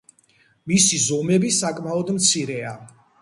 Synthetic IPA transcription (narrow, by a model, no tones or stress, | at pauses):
misizɔmɛbisakʼmaɔd̪mt̪sʰiɾɛa